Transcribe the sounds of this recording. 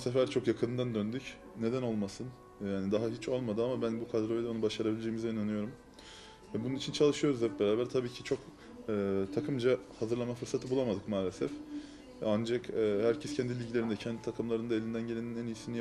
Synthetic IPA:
sefæɾt͡ʃʰo̞kjakʰɯnd̪and̪ønd̪yc | ne̞d̪æno̞lˠmasɯn | jaːnid̪aɦaɦit͡ʃʰo̞lˠmad̪ɯamabænbukʰad̪ɾojlʲɛo̞nubaʃaɾabilʲed͡ʒejːmizɛinanɯjo̞ɾum | vɛbununit͡ʃʰint͡ʃʰalˠɯʃɯjo̞ɾuzɛp̚be̞ɾaːbæɾt̪ʰabiːcʰit͡ʃʰo̞k | ɯːt̪ʰakʰɯmd͡ʒahazɯɾlˠamafɯɾsat̪ʰɯbulˠamad̪ɯkmaːlʲesɛf | and͡ʒakːhæɾcʰɛscʰɛnd̪ilʲilʲɟilʲe̞ɾind̪ɛcʰɛnd̪i̥t̪ʰakʰɯmlˠaɾɯnd̪ae̞lʲind̪ænɟelʲeninɛnijisini

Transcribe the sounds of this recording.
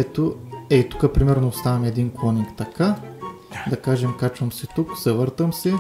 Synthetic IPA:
ɛt̪oɛit̪u̥kəpɾimɛɾnoːst̪avɐmɛd̪inklˠɔnikt̪ɐka | d̪ɐkaʒɛmkat͡ʃvəmsɛt̪uksɛvɤɾt̪əmsɛ

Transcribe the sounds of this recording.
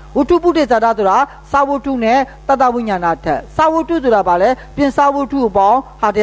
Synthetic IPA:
wutʰupudesataoɾa | sawotʰunɛt̪at̪awɪ̰̃ɲãnatʰɛ̰ʔsawotut̪̬oabalɛpjɪ̃sawotʰuʔəpãʊ̃haəja

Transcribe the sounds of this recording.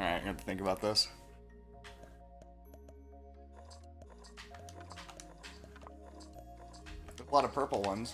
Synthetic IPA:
ɡʌtʰɨ̥θɪ̃ŋkəbaʊt̪̚ðɪs | ðəzlɑɾʌv̥pʰɜ˞pl̩ˠwʌ̃nz

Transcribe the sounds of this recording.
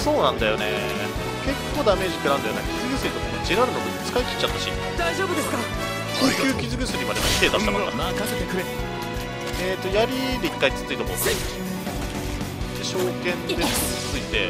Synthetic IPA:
so̞ːnãnd̪ajo̞ne̞ | ke̞kːo̞ːd̪ame̞ːʑik̪ɯɾãnd̪ajonekʲizɨkɯ̟sɨit̪okood͡ʑiɾaɾɯ̟nokɯit͡sɨ̥kaikʲi̥t͡ɕːat̪ːaɕḭ | d̪aiʑoːbɯ̟d̪es | kɯkʲɨːkʲizɨkɯ̟sɨɡʲimad̪emat̪eːd̪aakãaao | eːt̪ːo̞jaɾʲid̪e̞ikːait͡sɨ̥t͡sɨit̪oko | d̪eɕo̞ːkẽ̞nd̪eɨ̥t͡sɨit̪e̞̰

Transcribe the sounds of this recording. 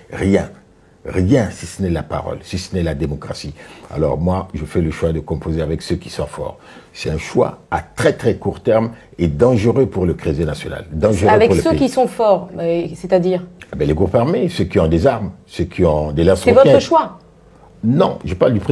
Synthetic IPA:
ʁjɛ̃ | ʁjɛ̃sisənɛlapa̰ʁɔ̰lsisənɛlad̪emɔkʁasia̰lɔ̰ʁmwaʒəfɛləʃwad̪əkɔ̃pozeavɛksøkʲi̥sɔ̃fɔ̰ʁ | sɛt̪ɛ̃ʃwa̰at̪χɛt̪χɛkuʁt̪ɛʁm | ed̪ɑ̃ʒəʁøpuʁləkχezenasjɔna̰ld̪ɑ̃ʒəʁavɛkpuʁləsøkisɔ̃fɔʁsɛt̪ad̪iːʁabɛleɡʁupaʁmesøkiɔ̃d̪ezaʁmsøkʰʲiɔ̃d̪elãst̪ʁsɛvɔtɛəʃwa | nɔ̰̃ʒəpaʁld̪ypχe

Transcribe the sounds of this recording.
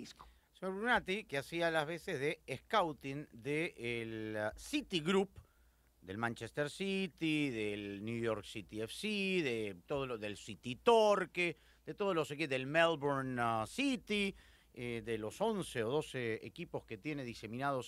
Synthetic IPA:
isko̥ | seɲoɾβɾunat̪ikeasialazβesezðeːhkawt̪ind̪eːlsit̪iɣɾup̚ | d̪e̞lmãnt͡ʃest̪eɾsit̪iðelnjujoɾksit̪iefsiðet̪oðoloðelsit̪it̪oɾke | d̪̥et̪o̞ðolosekeðelmelβoɾnsit̪i | ed̪elo̞so̞nseoðo̞seḛkipo̞ske̞t̪jeneðise̞mĩnað̞o̞s

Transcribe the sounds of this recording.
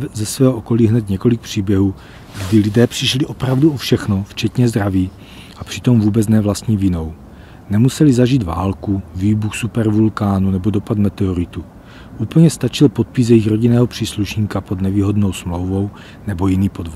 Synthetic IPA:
zɛsvɛːɦoʔoko̞liːɦnɛt̪ɲɛko̞lɪk̚pr̥iːbjɛɦuː | ɡdɪlɪdɛːpr̥ɪʃliʔo̞pɾavduʔofʃɛxno̞ft͡ʃɛt̪ɲɛzd̪ɾaviː | ʔapr̝̥ɪ̥t̪o̞mvuːbɛt͡snɛvlast̪ɲiːvɪnow | nɛmusɛlizaʒiːd̪vaːlkuviːbuxsupɛɾvulkaːnunɛbo̞do̞pat̪mɛt̪ɛoɾɪt̪u | ʔuːpl̩ɲɛst̪at͡ʃɪlpo̞t̪̚pɪs̬jɛjixɾo̞ɟinɛːɦo̞pr̥iːsluʃɲiːkapo̞d̪nɛviːɦo̞dnowsmlo̞wvo̞w | nɛbo̞jɪniːpodvo

